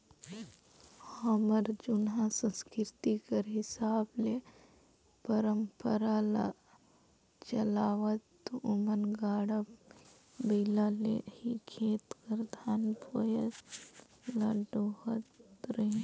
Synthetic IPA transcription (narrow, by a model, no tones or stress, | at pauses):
hɐməɾd͡ʒʊnɦãsə̃nskɪɾt̪ikəɾɦɪsaːble | pəɾəmpəɾala̰ | t͡ʃɐlaːʋət̪ʊmənɡaːɽəb | beːlalḛhikʰeːt̪kəɾd̪ʱaːnpojə | lɐɖohət̪ɾẽ